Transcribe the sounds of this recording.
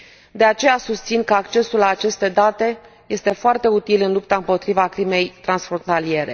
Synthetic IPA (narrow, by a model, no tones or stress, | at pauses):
d̪e̞at͡ʃe̞jasust̪sinkəakt͡ʃe̞sullaːt͡ʃe̞st̪e̞d̪at̪e̞ | je̞st̪e̞foart̪e̞ut̪ilɨnlup̚t̪aɨmpo̞t̪ɾivakɾime̞jt̪ɾansfɾont̪alije̞ɾe̞̰